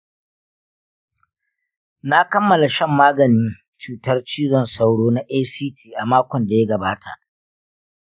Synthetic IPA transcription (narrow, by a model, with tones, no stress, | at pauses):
na˦kɐ˦mːɐ˨la˨ʃɐ˦mːaː˦ɡɐ˨nɪ˦n | t͡ʃuː˨tɐ˦rt͡ʃiː˦ɽɔ˨nsa˦wɽoː˦na˦ʔeː˦siː˦tʰiː˨ʔa˨maː˦kʷɔ˨nda˨ja˦ɡɐ˨baː˦tʰa̰˨ʔ